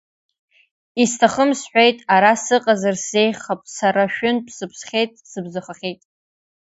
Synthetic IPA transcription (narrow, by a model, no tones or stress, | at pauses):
istʰaχəmsħʷᶣe̞jtʼaɾasɨqʼazarse̞jχapʼsaɾaʃᶣʊnpʰsɨpʰsχʲejtʼsɨbzaχaχʲejtʼ